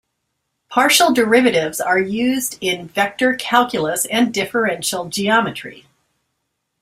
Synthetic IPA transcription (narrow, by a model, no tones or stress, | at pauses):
pʰɑɹʃl̩ˠdə˞ɪvɨɾɪvzə˞jʉzdɪ̃nvɛk̚tə˞kʰælˠkjəl̩ˠəsɨ̃ndɪfə˞ɛ̃nʃl̩ˠd͡ʒiɑmɨtɹ̥ḭ